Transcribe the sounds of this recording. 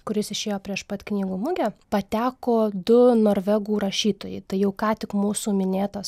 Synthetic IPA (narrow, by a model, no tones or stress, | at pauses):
kʊɾʲɪsɪʃʲeːjoːpʲɾʲiɛʃpɐt̪ʲknʲiːɡuːmʊɡʲɛpɐt̪ʲæːkoːd̪ʊnoːɾʲʋʲɛɡuːɾɐʃʲiːt̪oːjɛɪt̪ɐɪjɛʊkɑːt̪ʲɪkmuːsuːmʲɪnʲeːt̪ɐs